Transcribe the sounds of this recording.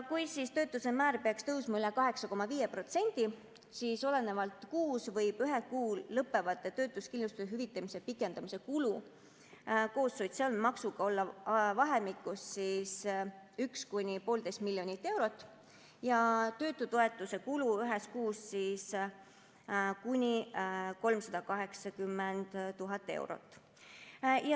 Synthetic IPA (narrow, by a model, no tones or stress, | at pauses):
kujsist̪ø̞ːt̪ːˑusemæːɾpeɑkst̪ɤwsmɑylɛkɑɦe̞ksɑko̞mɑviːjepro̞t̪se̞nʲd̪̥i | siːso̞le̞ne̞vɑlt̪ˑkuːsvɤjb̥yɦekuːllɤpːˑe̞vɑt̪ːˑe̞t̪ø̞ːt̪ːˑuskinlust̪useɦyvit̪ːˑɑmisepikːˑe̞nd̪̥ɑmise̞kulu | ko̞ːsːojd̪̥seɑlmɑksuɡ̥ɑo̞lːɑvɑɦemikːˑussisykskunʲipo̞ːld̪est̪̚milːjo̞nʲit̪ːˑe̞wɾo̞t̪ːˑ | jɑt̪ø̞ːt̪ːˑut̪oe̞t̪ːˑuse̞kuluyɦeskuːssiːs | kunʲiko̞lmsɑd̪̥ɑkɑɦe̞ksɑkymːend̪̥ːuɦɑt̪ːˑe̞̰wɾo̰t̪ːˑ | jɑ